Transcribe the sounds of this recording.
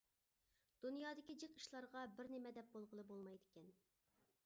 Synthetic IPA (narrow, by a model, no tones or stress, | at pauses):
d̪̥unjɑːd̪ɪkʲid͡ʒeqi̥ʃlˠɑɾʁɑbɪɾnɪmɛd̪ɛp̚bolˠʁəlˠɨbolˠmɑjd̪ɪkʲɛn